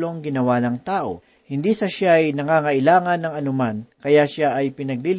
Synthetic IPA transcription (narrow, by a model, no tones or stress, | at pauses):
lo̞ŋɡɪnɐwanɐŋt̪aːʔo̞̰ | hɪnd̪isɐʃaɐjnɐŋaŋɐʔɪlaːŋɐnːɐŋɐnʊmankɐjaʃaʔɐjpɪnɐɡ̚lil